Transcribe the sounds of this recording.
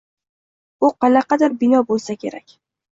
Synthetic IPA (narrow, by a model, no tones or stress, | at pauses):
ʊqɑlɑqɑd̪aɾbɪnɒbolˠsakʲe̞̰ɾakʲ